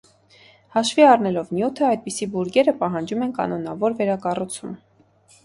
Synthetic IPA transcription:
hɑʃviɑrnɛlɔvnjut̪ʰəɑjd̪̚pisibuɾɡɛɾəpɑɦɑnd͡ʒumɛnkɑ̰nɔnɑvɔɾvɛɾɑkɑrut͡sʰum

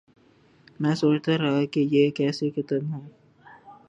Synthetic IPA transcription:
mɛ̃soːt͡ʃt̪aɾɐɦakejekɛːsekɪt̪ənɦɛ̃ː

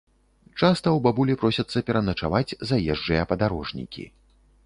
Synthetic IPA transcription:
t͡ʂast̪ɐwbabulʲipɾɔsʲɐt̪sːɐpʲɛɾɐnɐt͡ʂa̰vad͡zʲzajɛʐd͡ʐɨjɐpɐd̪aɾɔʐnʲḭkʲḭ

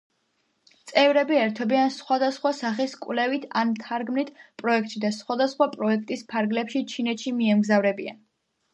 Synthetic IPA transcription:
t̪sʼɛvɾɛbiɛɾt̪ʰɔbiansχwad̪asχwasaχiskʼwlɛvit̪ʰant̪ʰaɾɡmnit̪ʰpʼɾɔɛk̚ʰt̪ʼʃid̪asχwad̪asχwapʼɾɔɛk̚ʰt̪ʼispʰaɾɡlɛpʃit͡ʃʰinɛt̪ʃimiɛmɡzavɾɛbia̰n

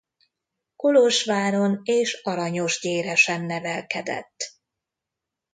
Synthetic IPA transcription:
koloʃʋaːɾo̞neːʃɒɾɒɲo̞ʒɟeːɾɛʃɛmnɛvɛlkɛd̪ɛ̰t̪ː

